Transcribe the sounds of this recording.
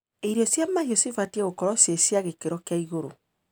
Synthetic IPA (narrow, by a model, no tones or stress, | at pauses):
eiɾiɔsjamahiosifatieɣokɔɾɔsjesjaɣekeɾɔkeaiɣoɾo